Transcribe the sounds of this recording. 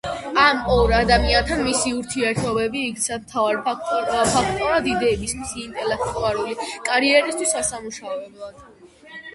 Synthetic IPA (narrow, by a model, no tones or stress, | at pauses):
amɔɾad̪amiant̪ʰanmisiuɾt̪ʰiɛɾt̪ʰɔbɛbiːɡt̪sʰamt̪ʰavaɾpʰak̚ʰt̪ʼɔɾad̪id̪ɛːbist̪mʰsiːnt̪ʼɛlɛk̚ʰt̪ʼuaɾulikʼaɾiɛɾist̪ʰwisasamuʃavɛblˠad̪̥